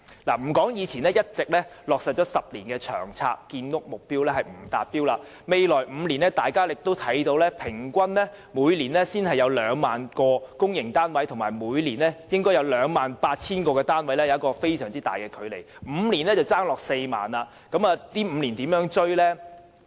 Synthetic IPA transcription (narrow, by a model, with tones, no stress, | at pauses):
laː˨˩m̩˨˩kɔː˨˥ŋjiː˨˧t͡sʰiː˨˩nlɛː˥jɐ˥t̚t͡sɪ˨k̚lɛ˥lɔː˨k̚sɐ˨t̚t͡ʃɔː˨˥sɐ˨p̚liː˨˩nkɛː˧t͡ʃʰœ̰ː˨˩ŋt͡sʰa̰ː˧kːiː˧nːʊ˥k̚mʊ˨k̚piː˥wlɛː˥hɐ˨jm̩˨˩t̪aː˨t̚piː˥wlaː˧ | me˨jlɔː˨˩jm̩˨˧liː˨˩nɛ˥t̪aː˨jkaː˥lɪ˨k̚t̪o˥wt̪ʰɐ˨˥jt̪o˧wlɛː˥pʰɪ˨˩ŋkʷɐ˥nlɛ˥ | muː˨˧jliː˨˩nlɛ˥siː˥nhɐ˨jɐ˨˧wlœː˨˧ŋmaː˨nkɔː˧kʊ˥ŋjɪ˨˩ŋt̪aː˥nwɐ˨˥jt̪ʰʊ˨˩ŋmaː˨˩jmuː˨˧jliː˨˩nlɛ˦˥jɪ˥ŋkɔː˥jɐ˨˧wlœː˨˧ŋmaː˨˩npaː˧t̚t͡sʰiː˥nkɔː˧kɛː˧t̪aː˥nwɐ˨˥jlɛː˥jɐ˨˦ɐ˥kɔː˧fe˥jsœː˨˩ŋt͡siː˥t̪aː˨jkɛː˧kʰɵ˨˧ɥle˨˩jm̩ː˨˧liː˨˩nlɛː˥t͡sɐ˨wt͡saː˥ŋlɔː˨k̚se˧jma̰ː˨nla˧ | kɐ˨˥maː˨t̪iː˥m̩ː˨˧liː˨˩nt̪iː˨˥mjœː˨˥ŋt͡ʃɵ˥ɥlɛː˥